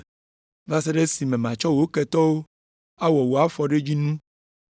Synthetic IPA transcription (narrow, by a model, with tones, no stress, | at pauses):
va˦se˦ɖe˦si˨mẽ˨mã˨t͡ʃɔ˦wo˨˦kɛ˨t̪ɔ˦wo˦ | a˦wɔ˨wo˨a˦fɔ˨ɖe˦d͡ʑi˦nũ˦